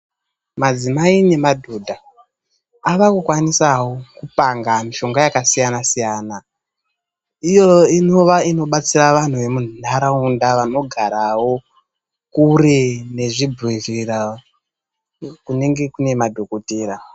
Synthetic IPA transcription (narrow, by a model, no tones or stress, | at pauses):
mad͡zimaine̞madʱuːdʱaː | ʋakukwanisawokupaŋɡamiʃo̞ŋɡajakasijanasijaːna | ijo̞inoʋaino̞ɓat͡siraʋan̤uʋe̞mun̤unaɾaundaʋano̞ɡʱaɾawo̞ | kurene̞ʐibʱirira | kune̞ŋɡe̞kune̞madʱo̞kotiːɾa